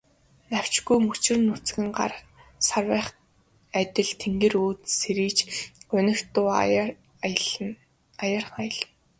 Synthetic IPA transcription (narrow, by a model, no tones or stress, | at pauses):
naw̥ʲt͡ɕɡujmut͡ɕɪ̆rnːʊt͡s̆ɡɘ̆ŋɢa̰r | sarwæːχ | æt̪ʲɪ̆ɮt̪ʰeŋɡeːruːt̪seɾiːt͡ɕʊnɪ̆xt̪ʊː | ajarχajə̆ɮ̆n